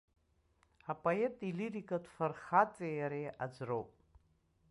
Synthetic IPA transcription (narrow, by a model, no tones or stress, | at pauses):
apʼoetʼiliɾikʼatʰʼfarχat͡sʼijaɾiʔad͡ʒʷrowpʼ